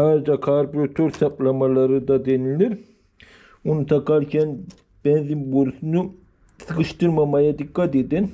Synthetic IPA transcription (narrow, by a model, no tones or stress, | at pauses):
haːɾed͡ʒakʰaɾbɾot̪ʰoɾt̪ʰaplˠamalˠaɾɯd̪ad̪enilʲiɾ | unut̪ʰakaɾcʰɛn | b̥ɛnzimboɾsunu | sɯkɯʃt̪ɯɾmamajad̪ikːat̪ed̪in